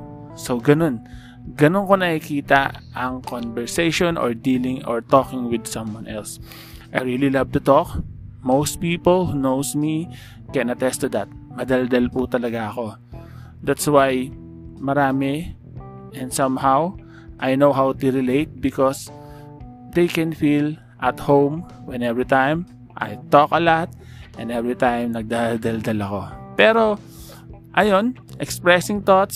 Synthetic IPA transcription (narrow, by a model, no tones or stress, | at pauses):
sowɡɐno̞n | ɡɐnonko̞nɐkikiːt̪ɐʔɐŋkɔnbɛɹsejʃɔ̃nʔɔ̰ɹd̪iːlɪ̃ŋɔ̰ɹt̪okɪ̃ŋwɪd̪sɐ̃mwãnʔɛls | ʔajɹililɐv̚t̪ʊt̪ok̚mowst̪̚piːpolhunowsmi | kɛ̃nɐt̪ɛst̪ʊd̪ɐt̪̚mɐd̪ɐld̪ɐlput̪ɐlɐɡaʔɐko̞ | d̪at̪swaj | mɐɾaːmɛ | ʔɛ̃nsɐ̃mhaw | ʔajnowɦawt̪uɹɪleɪt̪̚bɪkɔs | d̪ejkɛ̃nfil | ʔɐt̪hõwm | wɛ̃nɛvɹit̪ãjm | ʔa̰jt̪ɔkɐlat̪̚ | ʔɛ̃nɛvɹit̪ãjmnɐɡ̚d̪ald̪ɐld̪ɐlɐko̞pɛɾo | ʔɐjon | ʔɛkspɹɛsɪ̃ŋt̪ɔt̪s